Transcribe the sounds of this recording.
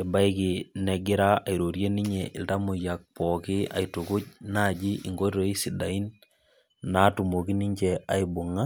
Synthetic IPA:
ɛ˨ba˦i˦ki˨nɛɡɪ˦ɾa˦a˨i˨ɾo˨ɾje˦ni˦ɲe˨ʔḭ˨lta˦mu˨ja˨k̚pɔ˨kɪ˦a̰˨i˨tu˨ku˦t͡ʃna˦˨d͡ʒi˦ʔi˨ŋɡo˦ɾo˦i˦si˨da˨i˦nː | a˦tu˨mo˨ki˦ni˦ɲt͡ʃɛa˨i˨bu˨ŋa˦

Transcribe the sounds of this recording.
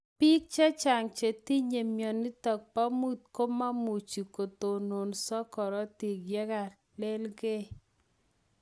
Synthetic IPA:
pi˦k̚t͡ʃa˦t͡ʃa˨ŋt͡ʃe˨ti˦ɲe˨mjɔ˨ni˦tɔ˨k̚pa˦mu˦t̪̚ko˦ma˦mu˨t͡ʃi˨ko˨t̪o˨no˨nsɔ˦kɔ˨ɾɔ˦ti˨ɡjɛ˦ka˨ | le˦lɡe˦

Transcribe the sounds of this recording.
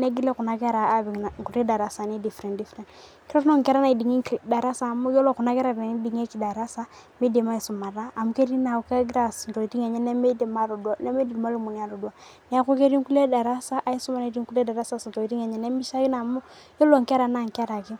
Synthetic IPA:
ne˦ɡi˦le˦ku˨na˦kɛ˦ɾa˨a˦bi˨ŋ˨na˨ku˨ɾe˦da˨ɾa˨sa˨ni˦di˨fɾɛ̃˨ndi˦fɾɛ̃˨ | ki˦ɾo˦no˦ŋ˨kɛ˦ɾa˦na˨i˨di˨ŋi˦˨da˨ɾa˦sa˨mu˦jo˦lo˨ku˨na˦kɛ˦ɾa˦˨be˨n˦di˨ŋe˦ki˨da˨ɾa˦sa˦ | me˦de˨ma˦i˨su˨ma˨ɾa˦a˨mu˦ke˦di˦na˨u˨ka˦ɡɾa˦˨stɔ˨i˨ti˦ŋe˨ɲɛ˦nɛ˦me˦de˨ma˦ɾo˨du˦a˨ne˦me˦di˨ma˦lu˨mu˨ni˨a˨do˨du˨a˨ | ni˨a˨˦ku˦ke˦ɾi˦ŋ˦ku˦le˦da˨ɾa˦sa˦ʔa˦i˦su˦ma˦na˨i˨di˦ŋku˦le˦da˨ɾa˦sa˦si˨to˨i˨ti˦ŋe˨ɲɛ˨nɛ˦mi˦sa˦ɡi˦na˨mu˦ | jo˦lo˦˨ŋ˨kɛ˦ɾa˨na˨ŋ˨kɛ˦ɾa˨ki˦

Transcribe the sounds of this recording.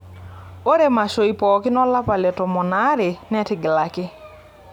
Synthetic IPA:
o˦ɾe˦˨ma˨ʃo˨i˨pɔ˨kɪ˦nɔ˦la˦pa˨lɛ˨tɔ˨mɔ˨na˦ɾɪ˨nɛ˦tɪ˨ɡɪ˨la˨kɪ˦

